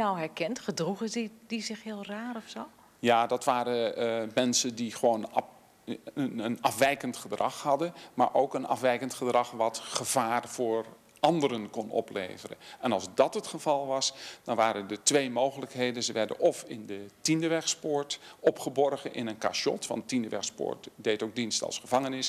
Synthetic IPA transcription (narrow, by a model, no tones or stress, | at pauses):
awɦɛɹkɛntχədruχədizɪχɦɪːlˠraːrɔfso | jaːdɑtʋaːɾəmɛnsəndiχəʋown | ənɑfʋɛjkəntχədrɑχhɑdənma̰ːɹʔowkənɑ̰fʋɛjkəntχədrɑχʋɑtχəvaːrv̥ʊːr | ʔɑndəɾənkɔnɔ̰plḛjvərə̰ɛnɑlˠzdɑtɦətχəv̥ɑlˠʋɑsd̥ɑnʋaːɾəndətʋejmowχələkɦejdənzəʋɛɹdə̰nɔfɪndətindəʋɛχspʊːɹtɔpχəbɔrχənʔɪ̰nənka̰ʃɔ̰tʋɑ̰ndətindəʋɛ̰χspʊ̰ːɹtdejtowɡ̚dinstɑ̰lˠsχəvɑŋənɪs